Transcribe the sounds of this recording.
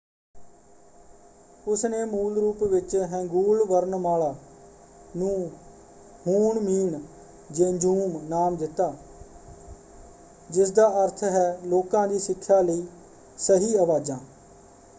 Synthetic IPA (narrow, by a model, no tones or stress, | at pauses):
ʊsneːmuːlɾuːpʋɪt͡ʃɦɛ̃ːŋɡuːlʋəɾəɳmaːɭaː | nũː | huːɳmiːɳ | d͡ʒeːd͡ʒuːmnaːmd̪ɪt̪ːaː | d͡ʒɪsd̪aːəɾt̪ʰɦɛːloːkãːd̪iːsɪkʰːjaːləiː | səɦiːəʋaːd͡ʒãː